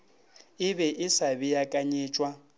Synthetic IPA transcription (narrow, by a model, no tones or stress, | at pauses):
ɪbɛʔɪsabɪjakʼaɲɪːt͡ʃʼwa